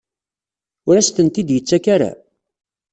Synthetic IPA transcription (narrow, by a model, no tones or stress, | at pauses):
ʊɾæst̪ənt̪id̪jət͡sːækaɾa̰